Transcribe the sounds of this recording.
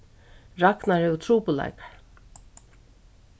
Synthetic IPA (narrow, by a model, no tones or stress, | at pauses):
ɾaknaɹhɛvʏt̪ʰɾuːpʊla̰jkḁɹ